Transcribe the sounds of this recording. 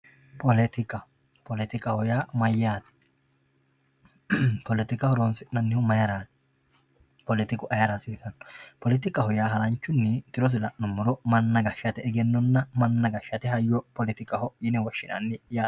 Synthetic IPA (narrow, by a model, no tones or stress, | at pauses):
pɔlɛt̪ɪkʼɐ | pʰɔlɛt̪ɪkʼɐhɔjaːmɐjːaːt̪ɛ̥ | pɔlɛt̪ɪkʼɐhɔɾoːnsɪnɐnːɪhʊmɐjɐɾaːt̪ | pɔlɪt̪ɪkʼʊʔɐjɐɾɐsiːsɐnːpɔlɪt̪ɪkʼɐhɔjaːɦɐɾɐnt͡ʃːʊnːɪt̪ɪɾɔs̬ɪlɐnʊmːʊɾɔmɐnːɐɡɐʃːɐt̪ɛɛɡɛnːɔnːɐmɐnːɐɡɐʃːɐt̪ɛɦɐjːɔpɔlɪt̪ɪkʼɐhɔjɪnɛwɐʃːɪnɐ̰nːɪjaː